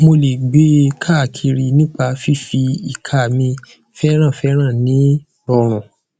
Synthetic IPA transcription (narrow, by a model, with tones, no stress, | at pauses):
mo˧le˨ɡ͡be˦kʰa˦˨kʰi˧ɾi˧nĩ˦k͡pa˧fi˦fi˧i˨kʰa˨mĩ˧ | fɛ˦ɾ̃ã˦˨fɛ˦ɾ̃ã˦˨nĩ˨˦ | bɔ˧ɾ̃ũ˨